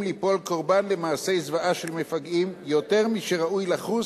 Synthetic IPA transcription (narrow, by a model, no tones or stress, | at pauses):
lipo̞lko̞ʁbanlemaːse̞jzvaʔaʃelmefaɡimjote̞ʁmiʃeʁaujlaχu